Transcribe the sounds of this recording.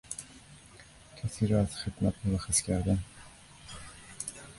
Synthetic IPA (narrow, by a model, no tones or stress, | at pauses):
cʰæsiːɾɒːæz̥xed̪mæt̪moɾæxeskʲʰæɾd̪æn